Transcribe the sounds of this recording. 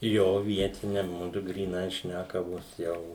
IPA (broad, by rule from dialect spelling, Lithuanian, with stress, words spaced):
joː ˈʋʲiɛtʲɪnʲɛ ˈmʊdʊ ɡrʲiːˈnɐɪ ˈʃʲnʲækɐʋoːs ˈjɛʊ